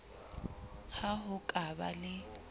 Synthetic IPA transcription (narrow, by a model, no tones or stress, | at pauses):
haɦʊkʼaba̰lɪ